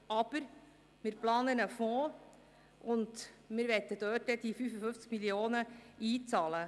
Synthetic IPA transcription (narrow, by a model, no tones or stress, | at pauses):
ɑb̥əɾ | mɪɾplɑːnənəfɔː | ʊnd̪mɪɾʋɛt̪ːəd̥̪øːtːɛd̪̥ifyːfəfɵft͡skmilioːnəiːt͡sɑːlə